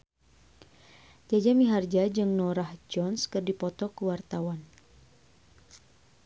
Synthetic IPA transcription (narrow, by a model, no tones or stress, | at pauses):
d͡ʒad͡ʒamiɦard͡ʒad͡ʒɨŋnɔɾahd͡ʒɔnskɨrdipɔt̪ɔkəwart̪awan